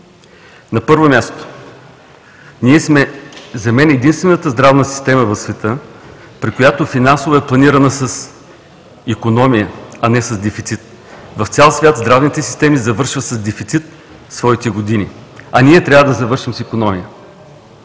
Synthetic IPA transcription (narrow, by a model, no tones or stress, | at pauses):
nɐpɤɾvomʲjast̪o̥ | niɛsmɛzɐmɛnɛd̪inst̪vɛnət̪əzd̪ɾavnəsi̥st̪ɛməvɐfsvɛt̪ɤ | pɾikojat̪ofinansovɐɛplˠɐniɾənəsəs | ikonɔmijəɐnɛsɐzd̪ɛfit̪sit̪ | vɐft̪sʲalˠsvʲat̪zd̪ɾavnit̪ɛsi̥st̪ɛmizɐvɤɾʃvəsɐzd̪ɛfit̪sit̪ | svɔit̪ɛɡod̪inḭ | ɐniɛt̪ɾʲavəd̪ɐzɐvɤɾʃimsikonɔmijə